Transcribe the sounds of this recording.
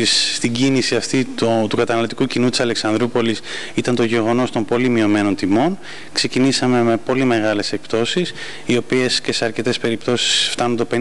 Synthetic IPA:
isːt̪iɟinisiɐft̪it̪ot̪ukɐt̪ɐnɐlo̞t̪ikucinut̪i̥sɐle̞ksɐnd̪ɾupo̞lis | it̪ɐnt̪o̞ʝe̞ɣo̞no̞st̪o̞mpo̞limio̞me̞no̞nt̪imo̞n | kse̞cinisɐme̞me̞po̞lime̞ɣɐle̞sek̚pt̪o̞sis | io̞pie̞sce̞se̞ɐɾce̞t̪e̞spe̞ɾipt̪o̞si̥sft̪ɐnunt̪o̞pe

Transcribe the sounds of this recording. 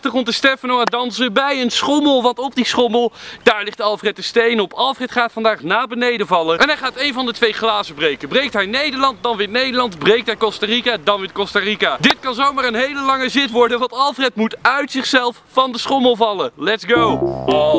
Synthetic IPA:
ɑχtəχɔntəstɛfənowandɑnsəbɛjənsχɔməlˠʋɑntɔp̚disχɔməlˠd̥aːɹlɪχtdəɑlˠfrɛtəstejnɔpɑlˠfrɛtχaːtfɑndaːχnaːbənejdəvɑləʔɛnɦɛjχaːtejnvɑndətʋejχlaːzəbrejkəbrejk̚tɦɛjnejdəɹlɑnt̚dɑnʋɪtnejdəɹlɑntbrejk̚tɦɛjkɔstarikadɑnʋɪt̚kɔstarikadɪt̚kɑnzowmaːrənɦejləlɑŋəzɪtʋɔɹdənʋɑntɑlˠfrɛtmutœɥtsɪχsɛlˠffɑndəsχɔməlˠvɑləlɛtsɡow

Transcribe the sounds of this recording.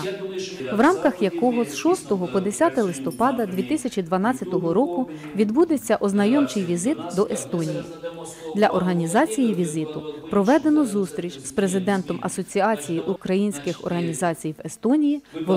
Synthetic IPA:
ʋrɑmkɐxjɐkɔɦɔzʃɔst̪ɔɦɔpɔd̪esʲat̪ɐlˠɪst̪ɔpɑd̪ɐd̪ʲʋʲit̪ɪsʲɐt͡ʃʲid̪ʋɐnɑt͡sʲːɐt̪ɔɦɔɾɔkʊ | ʋʲid̪bud̪et͡sʲːɐʔɔznɐjɔmt͡ʃɪjʋʲizɪt̪d̪ɔʔest̪ɔnʲijḭ | d̪lʲɐʔɔrɦɐnʲizɑt͡sʲijiʋʲizɪt̪ʊpɾɔʋɛd̪e̞nɔzust̪ɾʲit͡ʃʲspɾe̞zɪd̪ɛnt̪ɔmɐsɔt͡sʲiɑt͡sʲijiʔukɾɐjinʲsʲkɪxɔ̰rɦɐnʲizɑt͡sʲijʋest̪ɔnʲijiʋɔ

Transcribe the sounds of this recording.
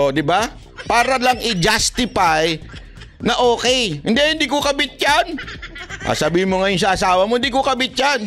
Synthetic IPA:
ʔod̪ɪba | paːɾɐlaŋʔɪd͡ʒast̪ɪpaj | nɐʔoːkɛjhɪnd̪ɛhɪnd̪ikokɐbɪt̪̚d͡ʒanʔa̰sɐbiːhɪnmoŋɐjons̬ɐʔasaːwɐmoɪnd̪ikokɐbɪt̪̚jan

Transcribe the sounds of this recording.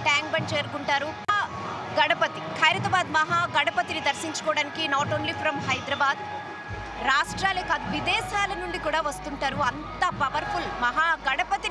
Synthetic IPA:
ʈaːŋk̚bɐɳt͡ʃeːɾɡuɳʈaːɾua | ɡɐɽɐpɐt̪ikʰɐjɾɐt̪ɐbaːd̪mɐɦaːɡɐɽɐpɐt̪inid̪ɐɾsiɲt͡ʃu̥kɔːɽaːnikinaːʈoːnliːpʰɾɐmhɐjd̪ɾɐbaːd̪ | ɾaːʂʈɾaːleːkaːd̪ʋid̪ɛːʃaːlɐnuɳɖikuːɽaːʋɐst̪uɳʈaːɾuɐnt̪ɐpɐʋɐɾpʰulmɐɦaːɡɐɽɐpɐt̪i

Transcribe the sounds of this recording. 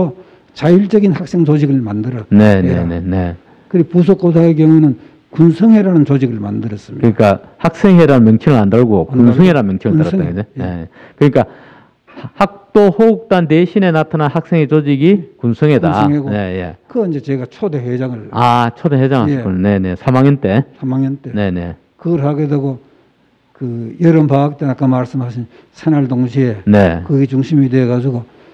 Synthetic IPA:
t͡ɕajuɭt͡ɕ͈ʌɡinhak̚s͈e̞ŋt͡ɕod͡ʑiɡɯɭmandɯɾʌtne̞ne̞ne̞̰ne̞̰ | kɯɾipus̬ʰok͈os̬ʰaek̬jʌŋunɯn | kunsʰʌŋɦeɾanɯnt͡ɕod͡ʑiɡɯɭmandɯɾʌs͈ɯmikɯɲik͈ahak̚s͈e̞ŋɦe̞ɾanɯnmjʌŋt͡ɕʰimɯɾandaɭɡokunsʰʌŋeɾanmjʌŋt͡ɕʰimaɭtaɾtaɡɯnenee | kɯɲik͈a | hak̚t͈ohouk̚t͈anteɕʰine̞natʰananhak̚s͈ʰe̞ŋɦe̞t͡ɕod͡ʑiɡikunsʰɯŋe̞daŋeɡne̞je̞̰kɯʌnd͡ʑet͡ɕeɡat͡ɕʰod̪ehed͡ʑaŋɯɭat͡ɕʰodeɦwed͡ʑaŋɦakonne̞ne̞sʰamaŋent͈e̞sʰamaŋentene̞ne̞ | kɯɡɾɦaɡedeɡo | kɯjʌɾʌmpaːk̚t͈enak͈amaɭsɯmɦaɕʰin | sʰenaɭdoŋɕʰiene̞kɯɡet͡ɕuŋɕʰimideɡad͡ʑuɡo

